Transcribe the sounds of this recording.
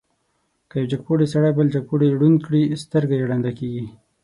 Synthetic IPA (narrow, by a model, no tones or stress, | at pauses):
kəjawd͡ʒaɡ̚poɽesaɽajbəld͡ʒaɡ̚poɽeɽunkɽist̪əɾɡajeɽand̪akeɡi